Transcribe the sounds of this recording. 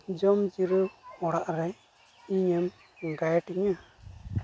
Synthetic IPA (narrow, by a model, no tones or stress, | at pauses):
d͡ʒɔmd͡ʒiɾɯɔɽaʔɾɛj | iɲɛm | ɡajʈiɲa